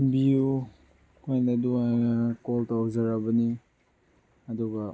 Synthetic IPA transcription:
biju | kʰojnaduanakoltawzaɾabɐni | ɐduɡɐ

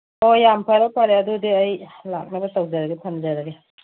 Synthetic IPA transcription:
ojampʰajɾapʰaɾeɐdudiɐjlak̚nabɐsɐwd͡ʒaɾɐɡepʰɐnzaɾaɡe

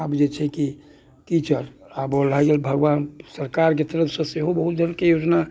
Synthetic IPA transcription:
abd͡ʒet͡ʃʰɛki | tit͡ʃəɾ | abolajɡelbʱəɡʋaːnsəɾkaɾk̬et̪əɾəpʰsə̃seɦobəɦut̪̚d̪ʱəɾkejoːd͡ʒna

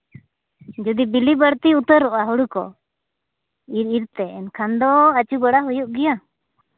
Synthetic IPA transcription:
d͡ʒud̪ibilibəɽt̪iut̪əɾɔʔaɦuɽukɔ̰ | iɾiɾt̪ɛɛnkʰand̪ɔat͡ʃubəɽaɦujuʔɡɛja

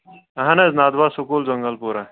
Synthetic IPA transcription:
ɐɦɐnɐznaːd̪baːsʊkuːld͡ʒɐŋɡəlpuːɾa

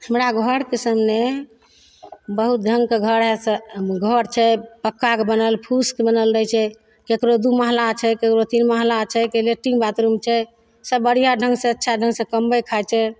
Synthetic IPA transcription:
həmɾaɡʱəɾkesəmne | bəɦut̪̚dʱəŋɡkeɡʱəɾɦɛsəɡʱəɾt͡ʃʰɛpəkːakebənəlpʰuskebənəlɾət͡ʃʰɛ | kekɾod̪uməɦlat͡ʃʰɛkekɾot̪inməɦlat͡ʃʰɛkeleʈiŋɡbat̪ɾumt͡ʃʰɛ | səbːəɽ̤ijaɖʱəŋɡsẽətːʃʰaɖʱə̃ŋɡsẽkəmbəjkʰajt͡ʃʰɛ

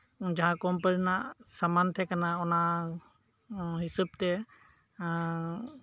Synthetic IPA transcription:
d͡ʒaɦãkɔmpəɾnaʔsamant̪ʰɛkanaɔna | ɦisəb̚t̪ɛ

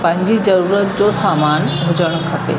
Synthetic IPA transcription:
pɐ̃ɦɪ̃ɲd͡ʑizɐɾuːɾət̪d͡ʑosaːmaːnɦʊd͡ʑəɽ̃kʰɐpḛ

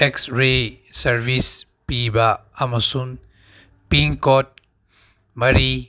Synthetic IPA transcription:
eksɾesɐɾbʱis | pibaːmɐsun | piŋkɔt̚ | mɐɾi

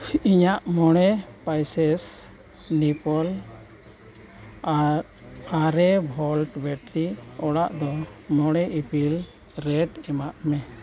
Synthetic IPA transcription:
iɲaʔmɔɽ̃ɛpajsɛs | nipɔl | a | aɾɛbʱɔlʈbɛʈɾiɔɽaʔd̪ɔmɔɽ̃ɛʔipʰil | ɾɛʈɛmaʔmɛ

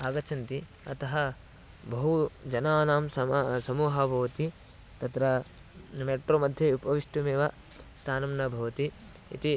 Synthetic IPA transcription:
aːɡɐt͡ʃʰɐnt̪i | ɐt̪ɐɦɐ | bɐɦud͡ʒɐnaːnaːmsɐsɐmuːɦɐbʱɐʋɐt̪i | t̪ɐt̪ɾɐ | meːʈɾoːmɐd̪ʱjɐupɐʋiʂʈumeːʋɐ | st̪ʰaːnɐmnɐbʱɐʋɐt̪i | ḭt̪i

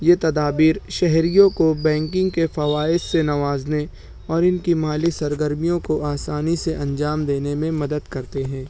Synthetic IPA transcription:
jeːt̪ɐd̪aːbiːɾʃɛɦɾijõkobɛ̃ːŋkɪ̃ŋɡkefɐʋaːɪssenɐʋaːzne | ɔːɾɪnkimaːlisɐɾɡəɾmijõkoaːsaːniseʔɐ̃ɲd͡ʒaːmd̪eːnemẽmɐd̪əd̪kɐɾt̪eɦɛ̃ː

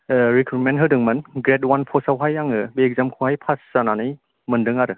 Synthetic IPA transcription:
ɾikʰɾut̚menɦɯdɯŋmɯnɡɾet̚wanpʰɔsawɦajaŋɯbek̚zamkʰuhajpʰasːananɯj | mɯndɯŋaɾɯ

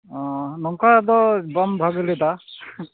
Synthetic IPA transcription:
ɔ̃nɔŋkʰad̪ɔbambʱaɡɔlɛd̪a

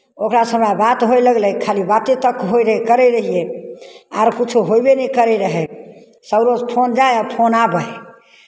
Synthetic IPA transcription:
okɾasəmɾabat̪ɦojləɡlɛkʰalibat̪et̪əkɦojɾəɦkəɾɛɾəɦije | a̰ɾkit͡ʃʰuɦojbenɛkəɾɛɾəɦɛ | səbɾod͡ʒpʰond͡ʒajapʰonabəj

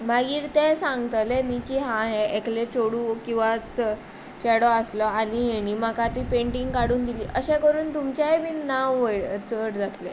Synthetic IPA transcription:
maɡiːɾt̪esãŋɡt̪lenikiːɦãɦeeklet͡ɕoɽuːkĩw̃ʋat͡sə | t͡ɕɛɽɔəslɔañiɦeɽ̃imakat̪iːpeɳʈiŋɡkaɽuːnd̪iliːʔəɕẽkəɾuːnt̪umt͡ɕjaɦeʋinaʋəjɭt͡səʈd͡zat̪le

